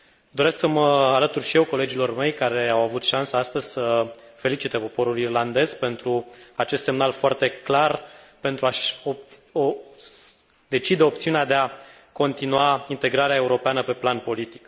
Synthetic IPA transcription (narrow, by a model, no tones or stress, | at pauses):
d̪o̞ɾe̞sksəməalət̪urʃije̞wko̞le̞d͡ʒilo̞rme̞jkaɾe̞awavut̪ʃansəast̪əzʲsəfe̞lit͡ʃit̪epo̞po̞ɾulirland̪e̞zpe̞nt̪ɾuat͡ʃe̞st̪se̞mnalfoart̪e̞klar | pe̞nt̪ɾuaʃoo | d̪e̞t͡ʃid̪eop̚t̪siunead̪e̞a | ko̞nt̪inuaint̪e̞ɡɾaɾeae̞uɾo̞peanəpe̞planpo̞lit̪i̥k